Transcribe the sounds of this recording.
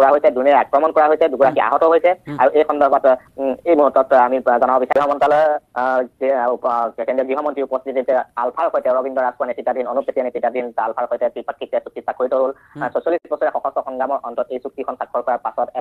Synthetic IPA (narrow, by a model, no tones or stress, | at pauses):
kɔɹaɦojsɛduniɛakɹɔmɔnkɔɹaɦojsɛduɡuɹakiʔa̰ɦɔtɔɦojsɛaɹuʔejkʰxɔndɔbat | ejmuɦutːɔtamizɔnabɔbisaiɦɔmɔntalɔj | kindiɔɡɹiɦɔmɔntiupɔst̪ʰitititɛalpʰaɹkʰojtɛɹɔbindɔɹaskuanetitadʱinonupetianetitadʱinalpʰaɹxojtɛpipakːiktɛsuk̚tisakʰːoɹitɔɦol | sosiɔlistit̚bɔsɔɹɛxɔxɔstɔxɔŋɡamɔɹɔntɔtejsuk̚tikʰɔnsakʰːɔɹkɔɹaɹpasɔtɛ